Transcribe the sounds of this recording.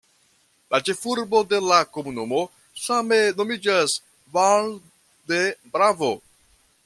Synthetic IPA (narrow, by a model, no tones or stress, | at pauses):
lat͡ʃe̞fuɾbo̞de̞lako̞munumo̞ | same̞no̞mid͡ʒas | val | debɾavo̞